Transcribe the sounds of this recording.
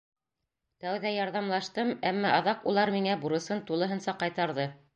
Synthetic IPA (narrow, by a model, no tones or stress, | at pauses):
t̪æwðæjɑɾðɑmlˠɑʃt̪ɤmæmːæʔɑðɑqulˠɑɾmiŋæbuɾɤ̆sɤnt̪ulˠɤ̆ɦɤ̆nsɑqɑjt̪ɑɾðɤ